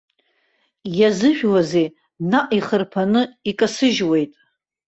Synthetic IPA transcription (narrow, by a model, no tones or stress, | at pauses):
jazɨʒᶣwazej | naʔʼiχərpʰanɨikʼasɨʒwe̞jtʼ